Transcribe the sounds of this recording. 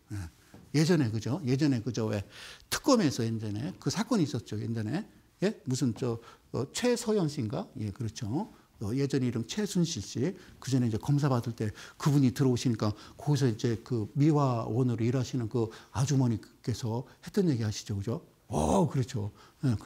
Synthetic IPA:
je | je̞d͡ʑʌne̞kɯd͡ʑoje̞d͡ʑʌne̞kɯd͡ʑowe̞tʰɯ̥k͈ʌme̞sʰʌjend͡ʑʌne̞kɯsʰak͈ʌniːs͈ʌt̚t͡ɕ͈ojend͡ʑʌne̞ | je̞musʰɯnt͡ɕʌʌt͡ɕʰwe̞sʰʌjʌŋɕ͈inɡaje̞kɯɾʌt͡ɕʰoː | je̞d͡ʑʌniɾʌmt͡ɕʰwe̞sʰunɕʰiɭɕ͈ikɯd͡ʑʌne̞id͡ʑe̞kʌms̬ʰabadɯɭt͈e̞kɯbuɲitɯɾʌoɕʰiɲik͈akʌɡis̬ʰʌid͡ʑe̞kɯmiwawʌnɯɾoiɾɦaɕʰinɯnkɯad͡ʑumʌɲik͈e̞sʰʌhe̞t͈ʌnje̞ɡihaɕʰi̥d͡ʑokɯd͡ʑo | ʌ̰kɯɾʌt͡ɕʰojek

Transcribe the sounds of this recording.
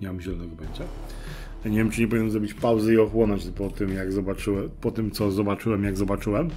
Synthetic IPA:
ɲamamʑɛlɔnɛɡɔbɛnt͡ɕa | jaɲevʲjɛmt͡ʂɨɲɛp̬ɔvʲinɛmzɾɔbʲit͡ɕpawzɛiɔxwɔnɔt͡ɕpɔt̪ɘmjaɡzɔbat͡ʂɘwɛpɔt̪ɘmt̪sɔzɔbat͡ʂɘwɛmjaɡzɔbat͡ʂɘwɛm

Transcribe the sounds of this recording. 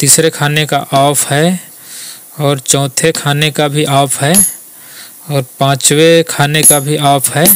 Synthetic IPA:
t̪iːsɾekʰaːnekaʔaːpʰɦɛ | ɔːɾt͡ʃɔ̃ːt̪ʰekʰaːnekabʱiʔaːpʰɦɛ | ɔːɾpãːt͡ʃwekʰaːnekabʱiʔaːpʰɦɛː

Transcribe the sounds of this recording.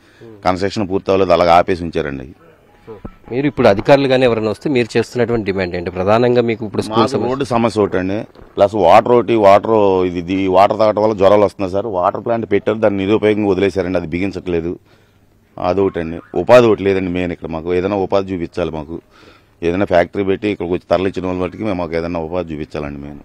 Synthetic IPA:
kɐnsʈɐkʂɐnpuːɾt̪aːloːd̪ɐlaːɡaːpeːsiɲt͡ʃaːɾɐ̰ɳɖḭ | omiːɾuipːuɽuɐd̪ʱikaːɾuluɡaːneːʋɐɾɐnʋɐst̪emiːɾut͡ʃe̞ːst̪unːɐʈuʋɐɳʈiɖimaːɳɖeɐɳʈepɾɐd̪ʱaːnɐŋɡaːmiːkuipːuɽusmkuːlɐsɐmɐoːʈːusɐmɐsjɐʈːɐɳɖiplɐsʋaːʈɐɾoːʈiʋaːʈɐɾid̪id̪iːʋaːʈɐɾt̪aːʈɐʋɐlːɐd͡ʒɔɾaːlɐst̪und̪ɾs̬aːɾʋaːʈɐɾplaːɳʈpeʈːeɾud̪aːnːiniɾuːpɐjoːɡɐŋɡaod̪ilɛːsaːɾɐɳɖiɐd̪ibʱiɡint͡ʃɐʈɐleːd̪u | ɐ̰d̪oʋɐʈɐɳɖiʔṵpaːd̪oʈileːd̪ɐɳɖimeːnikːɐɽɐmaːkuɛːd̪ɐnːaːupaːd̪ɐt͡ʃuːpit͡ʃːaːlimaːku | eːd̪ɐnːaːpʰaːk̚ʈɐɾiːpeʈːiːkːɐɽɐkot͡ʃːi̥t̪ɐɾɐlit͡ʃːinɐʋaːlɐbɐʈikimemːaːkeːd̪ɐnːaːupaːd̪ɐt͡ʃuːpit͡ʃːaːlɐɳɖimeːnu

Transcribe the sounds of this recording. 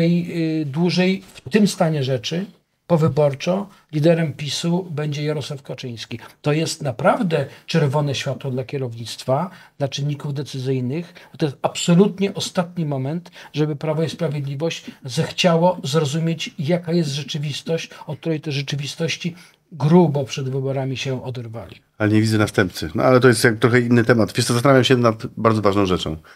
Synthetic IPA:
t̪ɛjd̪wuʐɛjft̪ɘmst̪aɲɛʐɛt͡ʂɘ | pɔvɘbɔɾt͡ʂɔ | lʲid̪ɛɾɛmpʲisubɛɲd͡ʑɛjaɾɔswafkɔt͡ʂɘj̃skʲit̪ɔjɛst̪napɾavd̪ɛt͡ʂɛɾvɔnɛɕfʲjat̪wɔd̪lakʲɛɾɔvɲit̪st̪fad̪̥lat͡ʂɘnːikuvd̪ɛt̪sɘzɘjnɘxt̪ɔjɛst̪apsɔlut̪ɲɛʔɔst̪at̪ɲimɔmɛnt̪ʐɛbɘpɾavɔispɾavʲjed̪lʲivɔɕt͡ɕzɛxt͡ɕawɔzɾɔzumʲjet͡ɕjakajɛst̪ʐɛt͡ʂɘvʲist̪ɔɕt͡ɕɔk̚t̪uɾɛjt̪ɛʐɛt͡ʂɘvʲist̪ɔɕt͡ɕi | ɡɾubɔpʂɛd̪vɘbɔɾamʲiɕɛɔd̪ɛɾva̰lʲḭ | alɛɲevʲidd͡z̪ɛnast̪ɛmpt̪sɘnɔ̰alɛt̪ɔjɛst̪jak̚t̪ɾɔxɛinːɘt̪ɛmat̪fʲisɔzast̪anavjamɕɛnat̪baɾd̪zɔvaʐnɔ̃w̃ʐɛt͡ʂɔ̃w̃

